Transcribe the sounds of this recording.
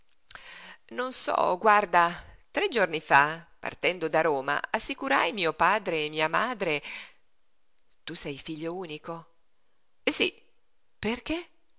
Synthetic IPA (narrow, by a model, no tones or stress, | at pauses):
nonsɔ̰ɡward̪at̪ɾed͡ʒornifapa̰rt̪ɛnd̪od̪aɾoːma̰asːikuɾajmiːopaːd̪ɾeːmiːamaːd̪ɾe | t̪usɛjfiʎːouːniko | sḭ | perke